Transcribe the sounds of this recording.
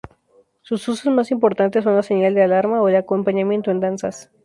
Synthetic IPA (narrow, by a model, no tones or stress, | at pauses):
sususosmasimpo̞ɾt̪ant̪esːo̞nlaseɲald̪ealaɾmaoðeakompaɲamjent̪oend̪ansas